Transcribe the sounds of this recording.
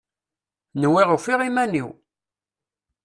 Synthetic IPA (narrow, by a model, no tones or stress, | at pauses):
nwiʁəfiʁimæniw